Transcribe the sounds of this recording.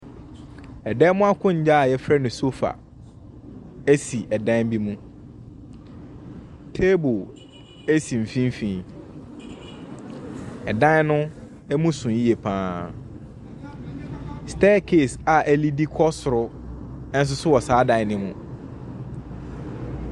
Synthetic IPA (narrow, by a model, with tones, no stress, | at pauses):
ɛ˨dɛ˦mʊ̃˦a˦kʰʊ̃˦ɲ̩˨˦d͡ʑa˦a˨jɛ˦fɾɛ˦nʊ̃˨so˦fa̰˨ | æ˦si˨ʔɛ˨dã˦m˦bi˦mũ˦ | tʰe˦bo˨ | ɛ˦sĩ˨m̩˨fĩ˦m˦fĩ˨˦ | ɛ˨dã˦nʊ̃˦ | ɛ˦mũ˦sũ˨˦i˦e˨pʰãː˦ | stɛː˦kʰe˦˨sa˨ʔæ˦li˦di˦kʰɔ˦sʊ˨ɾʊ˦ | n̩˦s̬ʊ˦sʊ˦wɔ˨saː˨˦dã˨ɪ˦nɪ̃˦mʊ̃˦